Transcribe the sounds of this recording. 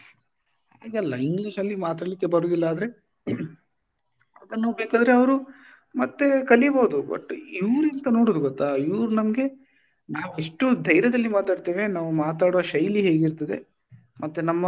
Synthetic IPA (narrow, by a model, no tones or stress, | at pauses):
h | aːɡɛlːɐiŋɡliʃɐlːimaːt̪aːɽlikːe̞bɐɾuːd̪ilːɐːd̪ɐɾe̞ | ɐd̪ɐnːubeːkaːd̪ɐɾeɐʋɾu | mɐt̪ːe̞kɐliboːud̪ubɐ̰ʈːiʋɾint̪ɐnoːɽoːd̪uɡɔt̪ːaiʋɾunɐmɐɡe̞ | naːʋeʂʈud̪ʱɐjɾjɐd̪ɐlːimaːt̪aːɖt̪eːʋe̞naːʋumaːt̪aːɽoʃɐjliɦe̞ːɡiɾt̪ɐd̪e̞̰ | mʔɐt̪ːenɐmːɐ